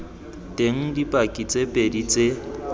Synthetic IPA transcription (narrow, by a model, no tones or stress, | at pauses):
tʼeŋ̩dipʼakʼit͡sʼepʼedit͡sʼe